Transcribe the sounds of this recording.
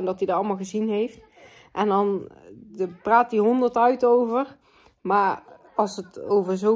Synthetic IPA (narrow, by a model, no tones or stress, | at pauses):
ndɑtdidəɑlˠmaːlˠχəzinɦejft | ʔɛndɑnəpraːt̚iɦɔndərtœɥtowvər | maːɹ | ɑlˠsəto̰wvəɹzo